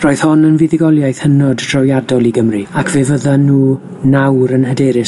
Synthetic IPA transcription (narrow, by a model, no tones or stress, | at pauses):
rɔjð̥hɔnənvɪðɪɡɔlˠjajθhənɔddrɔwjadɔlˠiɡəmriakʰveːvəðanuː | nawɾənɦədɛːɾɪ